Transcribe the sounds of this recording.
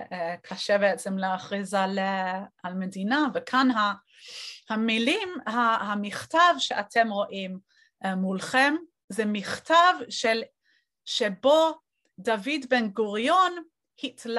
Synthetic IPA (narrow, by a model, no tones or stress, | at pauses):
kʰaʃebeet͡semleaχʁizalalmedinavekʰanɦa | hamilimhahamiχtavʃeʔatʰemʁoʔim | mulχem | zɛmiχtavʃel | ʃebo | davidbenɡuʁjon | hitl